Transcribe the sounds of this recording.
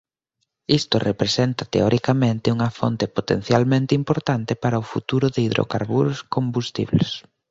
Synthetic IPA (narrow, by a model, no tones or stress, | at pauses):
ist̪orepɾesent̪ɐt̪eɔɾʔikamẽnt̪ɪuŋɐfont̪epot̪en̟θjalmẽnt̪ɪimpoɾt̪ant̪ɪpaɾɐʊfṵt̪uɾʊðeiðɾʔo̰kaɾβuɾʊskombust̪ḭβles